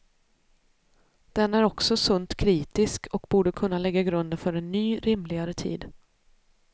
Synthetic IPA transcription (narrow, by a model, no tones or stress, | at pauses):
d̪̥ɛnːæɾɔksɔsɵnt̪kʰɾiːt̪ɪskʰɔkbuːɖəkʰɵnːalɛɡːaɡɾɵnd̪ənfœɾɛnːyːɾɪmlɪɡaɾət̪ʰḭːd̪